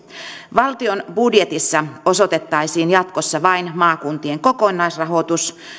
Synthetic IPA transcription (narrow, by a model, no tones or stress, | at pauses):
ʋɑlt̪ionbudje̞t̪isːɑo̞so̞t̪e̞t̪ːɑjsiːnjɑt̪kosːɑʋɑinmɑːkunt̪ieŋko̞konːɑjsrɑɦo̞t̪us